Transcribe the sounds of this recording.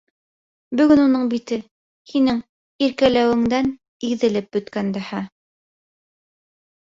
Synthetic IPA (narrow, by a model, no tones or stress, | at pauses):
bɵ̆ɡɵnunɤɴbit̪ɘ | hinɘŋ | iɾkælæwɘ̆ŋd̪æn | iðɘ̆lɘp̚bɵ̆t̪kænd̪æhæ